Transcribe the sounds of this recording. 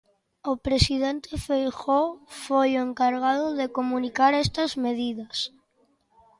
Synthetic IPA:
opɾesið̞ent̪efejxofojoeŋkaɾɣ̞að̞oðekomũnikaɾest̪azmeð̞iðas

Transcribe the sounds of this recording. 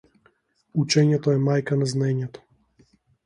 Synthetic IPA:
ut͡ʃɛɲɛt̪ɔɛmajkanaznaɛɲɛt̪ɔ̥

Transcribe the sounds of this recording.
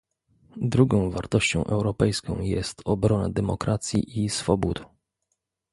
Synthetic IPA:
d̪ɾuɡɔ̃w̃vaɾt̪ɔɕt͡ɕɔ̃w̃ʔɛwɾɔpɛjskɔ̃w̃jɛst̪ɔbɾɔna̰d̪ɛmɔkɾat̪sʲjḭʔisfɔbut̪

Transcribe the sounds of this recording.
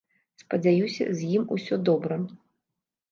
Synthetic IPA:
spɐd͡zʲajusʲɐ̰zʲjimusʲɔd̪ɔbɾɐ

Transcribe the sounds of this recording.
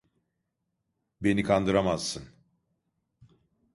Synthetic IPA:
be̞nikʰand̪ɯɾamaz̥ːɯn

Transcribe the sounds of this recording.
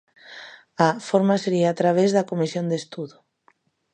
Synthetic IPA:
afoɾmaseɾiaat̪ɾaβ̞ezðɐkomisjond̪est̪uðʊ

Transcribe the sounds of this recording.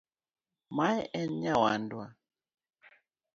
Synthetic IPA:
majɛʔɛnɲawandwa

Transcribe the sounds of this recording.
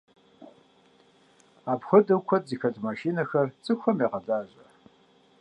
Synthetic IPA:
apxʷʊdʼɨkʷʰɐtzixɐtʰʼmaʃinɐxɐrt͡sʼɨkʷɐmiqɐdaːʒʼɐ

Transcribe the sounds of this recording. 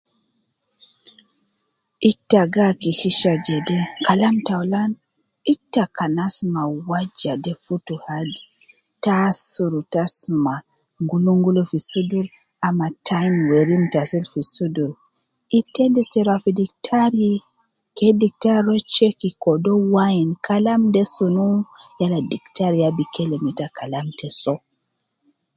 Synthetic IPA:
ʔitːaɡakikiʃad͡ʒɛdɛkalamtawlan | itːakanasmawad͡ʒadɛfutuhadi | tasuɾutasma | ŋɡuluŋɡulufisuduɾ | amatʰajmweɾimtasilfisuduɾ | itɛndistɛɾafidiktʰaɾi | kɛdik̚taɾɾɔt͡ʃekikɔdɔwajinkʰalamdɛsunujaladiktaɾijabikʰɛlɛmitakalamtɛsɔ

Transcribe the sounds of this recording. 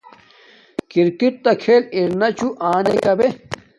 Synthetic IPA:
kiɾkit̪̚t̪ɐkʰeːliɾnɐt͡ɕuʔaːnekɐbe

